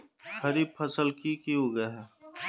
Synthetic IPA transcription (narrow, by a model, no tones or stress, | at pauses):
kʰɐɾipʰɐsəlkikiɦoɡɐɦɛ